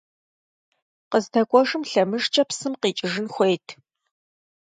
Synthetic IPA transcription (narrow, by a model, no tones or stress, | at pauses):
qəztʰɐkʷʼɔʒɨmɬɐmɨʒt͡ʃʼɐpsɨmqiːt͡ʃʼɪʒɨnxʷejtʰ